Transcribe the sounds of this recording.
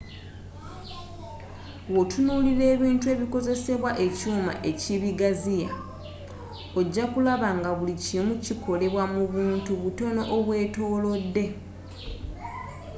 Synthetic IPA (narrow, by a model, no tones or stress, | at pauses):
wotunuːliɾe̞ːβiːntue̞ːβiko̞ze̞se̞βwaʔe̞cuːma̰ʔe̞ciβiɡazija | oɟːakulaβaŋɡaβulicimuciko̞le̞βwamuβuːntuβuto̞no̞ʔoβwe̞ːto̞ːlo̞dːe̞